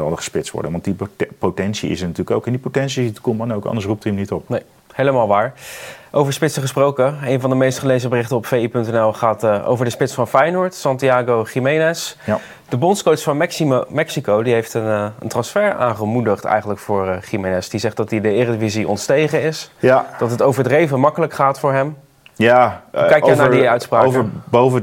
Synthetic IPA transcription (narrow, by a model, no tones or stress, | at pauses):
ɑlˠəχə̥spɪtstʋɔ̰ɹdə̰nʋɑntdipotɛnsiɪ̰sənatyːləko̰wkɪndipotɛnsiitkɔmanowkɑ̰ndəsrup̚timnitɔp̚nej | hejləmaːlˠʋaːɹʔowvəɹspɪtsəχəsprowkəejnvɑndəmejstχəlejzəbərɪχtəɔpfejipɵntɛnɛlˠχaːtʔo̰wvəɹdəspɪtsfɑnfɛjnʊɹtsɑntiaːɡowχimejnɛs | d̥əbɔnskowtsfɑnmɛmɛksikowdiɦejftənəntrɑnsfɛɹa̰ːnχəmudəχtɛ̰jχəntləkfʊːɹχimenɛsd̥izɛχtdɑt̚idəɪːrədəviziʔɔ̰ntstejχəɪsd̥ɑtɦətowvəɹdrejvəmɑkələkχaːtfʊːɹɦɛm | jkɛjkjanadiœɥtspraːəbovə